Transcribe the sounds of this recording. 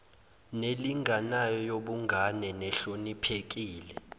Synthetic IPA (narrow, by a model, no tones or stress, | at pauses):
neliŋʱanajɔjoɓuŋɡʱanɛnɛɬonipʰek̬iːlɛ